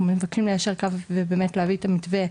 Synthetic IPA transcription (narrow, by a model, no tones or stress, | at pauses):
meevakimlejaʃeʁkavvebemetleaviet̪amitve